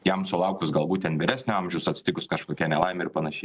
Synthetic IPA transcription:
jɛmsʊlˠɐʊkʲʊsɡɐlˠbuːt̪̚ʲɛnʋʲɪːɾʲæːsʲnʲʊɑmʲʒʲɛʊsɐt̪ʲsʲɪ̥t̪ʲɪkʊskɐʃkoːkʲɛnʲɛlˠɐɪmʲɛɪɾpɐnɐʃʲɛɪ

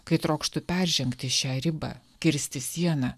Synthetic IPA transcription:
kɐɪt̪ɾoːkʃt̪ʊpʲæːɾʲʒʲɛŋkt̪ʲɪʃʲæːɾʲɪbɑ̰ː | kʲɪɾʲsʲt̪ʲɪsʲiɛnɑ

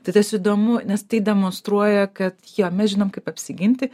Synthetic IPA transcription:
t̪ɐɪt̪ɐsid̪oːmʊnʲɛst̪ɐɪd̪ʲɛmoːnst̪ɾuɔjɛkɐt̪joːmʲɛsʒʲɪnoɔmkɐɪpɐpʲsʲɪɡʲɪnʲt̪ʲɪ

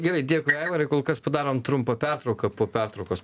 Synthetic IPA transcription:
ɡʲɛɾɐɪd̪ʲiɛkʊɪɛːɪʋɐɾɐɪkoːlˠkɐspɐd̪ɑːɾoːmt̪ɾʊmpɐpʲɛrt̪ɾɐʊkɐpoːpʲɛrt̪ɾɐʊkoːs

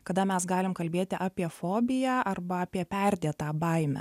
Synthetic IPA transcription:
kɐd̪ɐmʲɛsɡɑːlʲɪmkɐlʲbʲeːt̪ʲɪʔɑːpʲiɛfoːbʲɪjæːʔɐrbɐɑːpʲiɛpʲɛɾʲd̪ʲeːt̪ɑːbɐɪmʲɛ̰

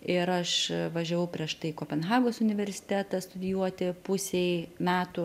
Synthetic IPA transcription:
ɪɾɐʃʋɐʒʲɛʋɐʊpʲɾʲiɛʃt̪ɐɪkoːpʲɛnɦɑːɡoːsʊnʲɪʋʲɛɾʲsʲɪ̥t̪ʲæːt̪ɐst̪ʊd̪ʲɪjuɔt̪ʲɪpʊsʲeɪmʲæːt̪ʊ

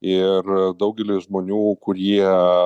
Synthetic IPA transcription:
ɪrd̪ɐʊɡʲɛlʲɪʒmoːnʲuːkʊɾʲiɛ

